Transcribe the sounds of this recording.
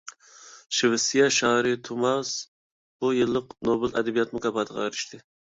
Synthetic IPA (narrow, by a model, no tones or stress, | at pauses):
ʃɪvɪsijɑʃɑːɾɪt̪ʰumɑs | b̥ujɨlˠːəqnobɨlɛ̰d̪ɛbijɑt̪mukɑbɑt̪ʰəʁɑ̰eɾɪ̥ʃt̪ʰɪ